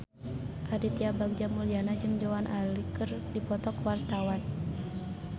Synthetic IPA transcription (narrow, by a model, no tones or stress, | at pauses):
ʔaɾit̪iabak̚d͡ʒamulianad͡ʒɨŋd͡ʒɔanʔalikɨrdipɔt̪ɔkwart̪awan